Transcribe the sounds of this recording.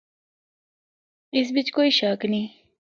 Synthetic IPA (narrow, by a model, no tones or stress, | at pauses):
ɪs̬bɪt͡ʃkoːiʃaːknĩː